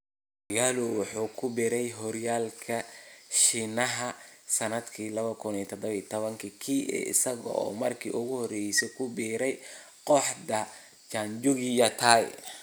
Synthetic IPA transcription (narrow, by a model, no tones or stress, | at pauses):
mɐɣaːlʊwɑħuːkʰʊbɪɾɛjɦɔɾjaːlkʰɐʃinɐɦɐsɐnɐd̪kʰiːlɐβɐkʰʊniːt̪ʰɔd̪ɔβiːt̪ʰɔβɐŋkʰikʰiːɛ̰ɪ̰sɐɣɔ̰ʔɔ̰ːmɐrkʰḭːʔʊɣʊhɔɾɛjsɛkʰʊbiːɾɛj | qɔħd̪ɐ | t͡ʃaɲd͡ʒʊɣijɐt̪ʰaːj